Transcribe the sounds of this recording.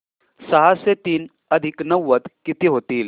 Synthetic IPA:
sɐɦaset̪iːn | ɐd̪ʱɪknɐwʋːət̪kit̪iɦoːt̪iːl

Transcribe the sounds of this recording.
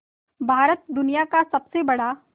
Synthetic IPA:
bʱaːɾət̪̚d̪ʊnijakasɐbsebɐɽa

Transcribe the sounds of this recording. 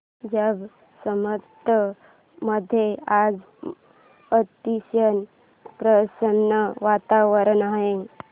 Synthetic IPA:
d͡ʑəb | səmət̪ːə | məd̪ʱːjead͡z | ət̪iɕən | pɾəsənːəʋat̪aʋəɾənaɦẽŋ

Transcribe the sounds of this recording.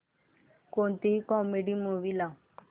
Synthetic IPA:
kont̪iikɔmeɖimuːʋila

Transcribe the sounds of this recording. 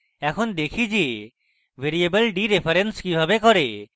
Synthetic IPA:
ɛkʰond̪ekʰid͡ʒe | ʋeɾiebəlɖiɾepʰɐɾenskibʱabekɔɾe

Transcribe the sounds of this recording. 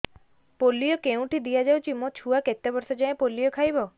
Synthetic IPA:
polːijɔkeũʈid̪ijad͡ʒawt͡ʃʰimot͡ʃʰuaket̪ebɔɾsɔd͡ʒajẽpolːijɔkʰajbɔ

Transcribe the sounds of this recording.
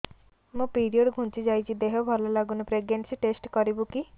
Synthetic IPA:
mũpiɾioɖɡʱũnt͡ʃid͡ʒajt͡ʃʰid̪eɦɔbʱɔlɔlaɡunɔpɾeɡneɳʈsiʈesʈkɔɾibuki

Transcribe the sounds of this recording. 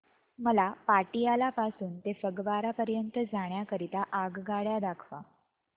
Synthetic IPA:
məlapaʈijalapasuːnt̪efəɡʋaɾapəɾjənt̪əd͡zaɽ̃jakəɾit̪aʔaɡɡaɽjad̪akʰʋa̰

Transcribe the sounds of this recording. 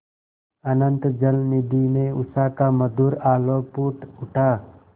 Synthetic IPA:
ənənt̪d͡ʒəlnid̪ineʊsaːkaməd̪uːɾaːlopuːʈʊʈʰaː

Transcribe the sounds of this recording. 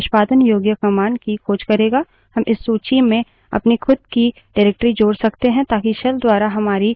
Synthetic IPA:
ʃpaːd̪ənjoːɡjəkɐmaːnkikʰoːd͡ʒkɐɾeːɡaː | hɐmʔɪsːuːt͡ʃimẽ | ɐ̰pnixʰʊd̪̚ki | ɖaːɾɛːk̚ʈəɾid͡ʒoːɽsɐkt̪eɦɛ̃t̪aːkiʃɐld̪waːɾaɦɐmaːɾi

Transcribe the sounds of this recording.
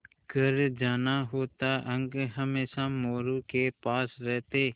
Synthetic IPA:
kəɾd͡ʒaːnaɦoːt̪aʔə̃ŋɡɦəmeːʃamoːɾukepaːsɾɛɦt̪eː

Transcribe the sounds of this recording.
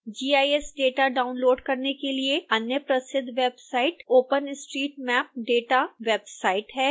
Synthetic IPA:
d͡ʒiːaːiɛsɖeːʈaɖaːʊnloːɖkɐɾnekelieɐnjəpɾɐsɪd̪ʱːʋeːbsaːɪʈoːpənɪsʈɾiːʈmɛːp̚ɖeːʈaʋebsaːɪʈɦɛː

